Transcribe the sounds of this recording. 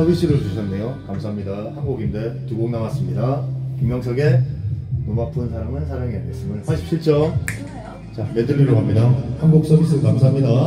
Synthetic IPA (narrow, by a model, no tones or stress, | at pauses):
sʌbis͈iɾɯt͡ɕuɕʰʌnːe̞jokamsʰaɦamɲidahanɡuɡinde̞tuɡoŋnamas͈ɯmɲidakiŋjʌŋsʰʌɡe̞ | nomap͈ʰɯnsʰaɾamɯnsʰaɾaŋianɡes͈ɯmɯnpʰaɭɕ͈ʰip̚t͡ɕʰiɭt͡ɕ͈ʌ | t͡ɕamedɯʎːiɾoɦamɲidahanɡuk̚s͈ʌbis͈ʰɯkamsʰaamɲida